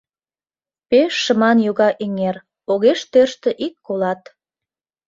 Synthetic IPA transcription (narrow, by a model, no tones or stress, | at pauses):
peʃːə̆mɑnjoɣɑʔeŋer | oɣeʃt̪ørʃt̪ə̆ʔikːolɑt̪